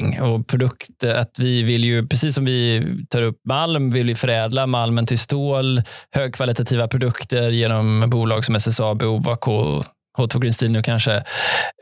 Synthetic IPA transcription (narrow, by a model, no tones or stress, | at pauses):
ŋɔpʰɾʊd̪ɵkt̪əat̪vɪvɪlːjɵpʰɾɛsiːsːɔmvɪt̪ʰɑːɾɵpːmalmvɪlvɪfœɾɛːd̪lamalmənt̪ʰɪlst̪oːlhøːɡ̚kʰvalɪt̪at̪ʰiːvapʰɾʊd̪ɵkt̪əɾjeːnɔmbuːlɑ̰ːɡsɔmɛsɛsɑːbɛuːvakʰoː | hoːt̪ʰɔɡɾɪnst̪iːnʉːkʰanʂə